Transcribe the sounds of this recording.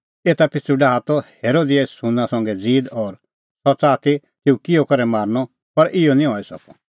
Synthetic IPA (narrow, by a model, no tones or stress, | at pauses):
eːt̪apʰɪsuɖaːɦat̪ɔheːɾoːd̪ɪəssʊnãsɐ̃ŋɡɛd͡ziːd̪ɔːɾ | sɔt͡saːt̪i | seːũkɪjɔkɐɾɛmaːɾnɔ | pɐɾʔɪjɔnĩɦɔːisɐkɔ